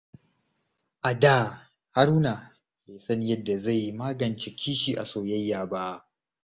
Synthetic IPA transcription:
ʔa˨daː˦˨ | ha˦ɾuː˦na˨ | beː˨sɐ˦ni˦jɐ˦dːa˨za˦˨jːi˦maː˦ɡɐ˨nt͡ʃe˨kʲʰiː˦ʃiː˨ʔa̰˨soː˨jɐ˦jːaː˨ba˦

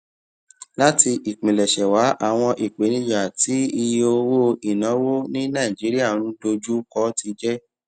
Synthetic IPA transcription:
la˦ti˧ʔi˨k͡pĩ˨lɛ˨ʃɛ˨wa˨˦ʔa˦˨w̃ɔ̃˧ʔi˨k͡pe˨˦nĩ˧˦ja˨ti˨˦i˧je˧o˧wo˦i˨nɔ̃˨˦wo˦nĩ˦nã˦˨i˨d͡ʒi˨˦ɾi˦a˦˨ũ˦do˧d͡ʒu˦kɔ˦ti˧d͡ʒɛ˦

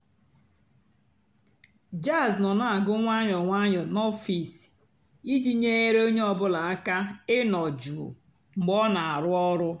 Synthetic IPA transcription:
d͡ʒa˦˨znɔ˨na˦a˨ɡʊ˦ŋʷa˦ɲɔ˨ŋʷa˦ɲɔ˨nɔ˦fi˨s | i˦d͡ʒi˦ɲe˦e˦ɾe˦o˦ɲe˦ɔ˦bʊ˦la˨a˦ka˦ɪ˦nɔ˨d͡ʒu˨ | ŋ͡m̩˨ɡ͡bɔ˦na˨a˨ɾʊ˦ɔ˦ɾʊ˦

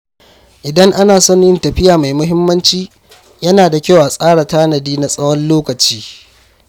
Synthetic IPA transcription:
ʔɪ˨dɐ˦ŋʔa˦naː˨sɔ˦nɪ˦ntɐ˨ɸɪ˦jaː˨ma˨jmʊ˦ɦɪ˦mːɐ˦nt͡ʃiː˦ | jɐ˦naː˨da˨kʲa˦wʔa˨sʼaː˦ɽa˨taː˦nɐ˨diː˦na˦sʼɐ˦wɔ˦nloː˦kɐ˨t͡ʃiː˦

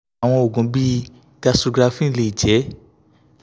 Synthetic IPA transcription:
w̃ɔ̃˧o˨ɡũ˨˦bi˦ | ɡa˧so˧ɡɾa˧fĩ˦˧le˧i˨d͡ʒɛ˨˦

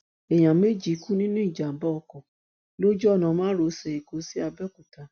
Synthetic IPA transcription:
e˨j̃ã˨me˦d͡ʒi˨˦ku˦nĩ˦nũ˦i˦˨d͡ʒa˨bɔ˦˧kɔ̃˨ | lo˦d͡ʒɔ˦˨nã˨˧˦mãː˦ɾo˧˦sɛ˧e˨ko˧si˦a˧bɛ˦ku˨ta˧˦

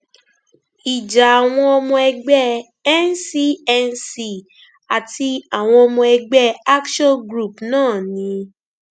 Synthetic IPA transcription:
i˨d͡ʒa˨a˨w̃ɔ̃˧ɔ˧mɔ̃˧ɛ˧ɡ͡bɛ˦˨ | ɛ˦nsi˦ɛ˧nsi˧ | a˨tʰi˧a˨w̃ɔ̃˧ɔ˧mɔ̃˧ɛ˧ɡ͡bɛ˦a˦kʃɔ̃˦ɡɾu˦˨pnãː˦˨nĩ˧

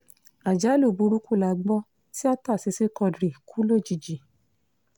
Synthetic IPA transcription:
a˨d͡ʒa˨˦lo˦˨bu˧˦ɾu˦ku˦˨la˨˧ɡ͡bɔ˦ | ti˦a˦ta˦˨si˨˧si˦kɔ˧dɾi˨kʰu˦lo˦˨d͡ʒi˧˨d͡ʒi˨

